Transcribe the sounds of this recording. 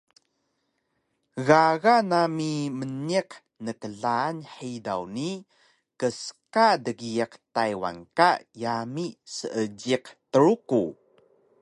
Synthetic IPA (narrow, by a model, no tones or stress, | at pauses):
ɣaɣanamiməniq | nəkəɮaːnħida̰wni | kəsə̥kadəɡiəqtajwa̰nkajamisəʔəɟiqtəɾuku